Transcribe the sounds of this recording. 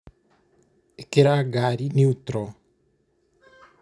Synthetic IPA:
ekeɾaɡaːɾiniut̪ɾɔ

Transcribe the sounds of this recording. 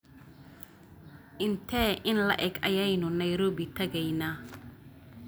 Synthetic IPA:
ʔɪnt̪ʰɛʔɪnlɐʔɛɡɐjɛjnʊnɐjɾɔːbɪt̪ʰɐɣɛjnaː

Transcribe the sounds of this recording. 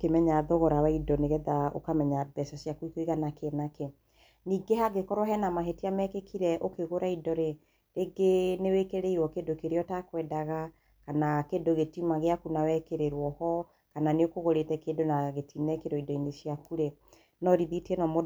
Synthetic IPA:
okemɛɲaðoɣoɾawaidɔneɣɛðao̰kamɛɲaðɛsɔsjakwikoiɣanakenakɛ | niːɡehaɡekɔɾwɔɦɛnamaɦetiamɛkekʰiɾɛʔokeɣoɾaidɔɾe | ɾeɡenewekeɾeiɾwɔkedokeɾeɔtakwɛdaɣa | kanakendoɣetimaɣeakunawɛkeɾeɾwɔhɔ | kananeokoɣoɾetɛkedonaɣetʰinɛkeɾɔidɔinesiakuɾe | nɔɾiðitiɛnɔmo

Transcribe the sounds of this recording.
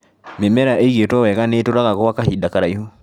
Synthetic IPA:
memɛɾaʔeɣetwɔwɛkanetoɾaɣaɣɔwakahidakaɾaiho

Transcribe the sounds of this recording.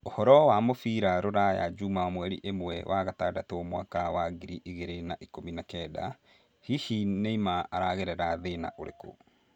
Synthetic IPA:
ohɔɾɔwamofiɾaɾoɾaja̰d͡ʒumawamwɛɾḭʔemwɛwʔaɣatadatoɔmwakawaɡiɾiʔiɣeɾenaʔikominakɛda̰ | hihineimaaɾaɣeɾɛɾaðena̰ʔoɾḛko̰

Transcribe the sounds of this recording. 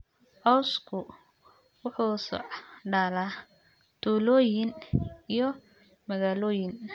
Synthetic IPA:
ʔɔwskʰʊ | wʊħuːsɔ̰ɖala | d̪̥uːlɔːjɪnijɔ | mɐɣaːlɔːjɪn

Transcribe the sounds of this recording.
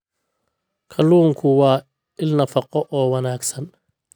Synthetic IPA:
kʰɐluːŋkʰʊwɑː | ɪlnɐfɐqɔʔɔːwɐnaːɡsɐn

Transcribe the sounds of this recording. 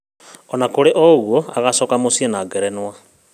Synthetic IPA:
ɔnakoɾeʔɔɣwɔaɣasɔːkamosienaːɡɛɾɛnwa

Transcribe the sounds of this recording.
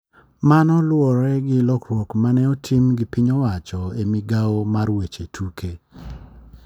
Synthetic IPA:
manɔlwɔɾɛɡɪlɔkɾwokmanɛotʰimɡɪpiɲɔwat͡ʃɔemiɡaomarwet͡ʃetʰuke

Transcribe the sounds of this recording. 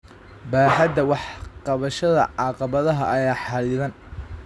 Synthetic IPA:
baːħɐd̪ɐwɑħqɑβɐʃɐðɐ̰ʕɑqɑβɐðɐɦɐʔɐjaːħɑliːðɐn

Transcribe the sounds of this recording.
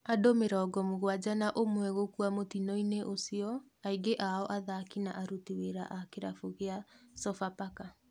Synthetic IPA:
adomeɾaɔɡɔmuɣwad͡ʑanaʔomwɛɣokuamotinɔineʔosiɔ | aiɡeʔaɔʔaðakinaʔaɾutiweɾa̰ʔakeɾafoɣeasɔfapaka

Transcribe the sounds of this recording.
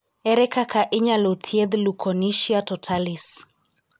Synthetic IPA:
ɛɾɛkakʰaʔiɲalot̪ʰiɛd̪lukʰɔniʃiatɔtʰalis

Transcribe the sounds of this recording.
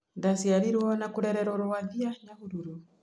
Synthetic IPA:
ndasiaɾiɾwɔnakoɾɛɾɛɾoɾoaðiaɲaɣuɾuɾu

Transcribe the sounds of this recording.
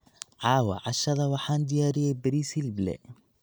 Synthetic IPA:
ʕɑːwɐ̰ʕɑʃɐðɐwɑħɑːnd̪ɪjaːɾɪjɛjbɪɾisilblɛ̰

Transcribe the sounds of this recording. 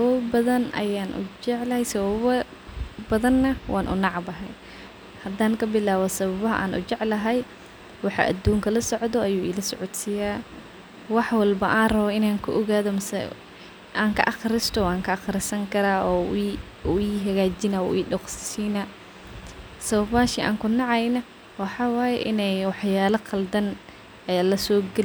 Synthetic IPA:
sβɐbɐðɐnʔɐ̰jaːnʔʊ̰d͡ʒɛʕlɐhɛjsɐβɐβɐ | bɐðɐnːɐwʔɑːnʔʊ̰nɑʕbɐɦɛj | hɐd̪aːŋkʰɐbɪlaːβɔsɐβɐβɐɦɐ̰ʔa̰ːnʔʊ̰t͡ʃɛʕlɐɦɛj | wɑħɑ̰ʔɐ̰d̪uːŋkʰɐlɐsɔʕd̪ɔɐjuːɪ̰lɐsɔʕɔt̪sɪjaː | wɑħwɐlbɐʔaːnrɐβɔɪnaːŋkʰʊʔɔɣaːðɔmɐsɛ̰ | ʔaːŋkʰɐ̰ʔɑχɾɪst̪ʰɔwaːŋkʰɐʔɑxɾɪsɐŋkʰɐɾaːʔɔ | iːɦɐɣaːt͡ʃɪna̰ḭːɖɔqssiːna | sɐβɐβaːʃɪʔa̰ːŋkʰʊnɑʕɑjnɐ | wɑħɑːwaːjɛʔɪnɛjwɑħjaːlɐqʰɐld̪ɐn | ɛːlɐsɔːɡɛl

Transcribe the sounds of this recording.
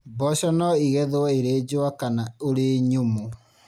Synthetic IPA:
bɔɕɔnɔiɣɛðoaeɾed͡ʑoakanaoɾeɲomo

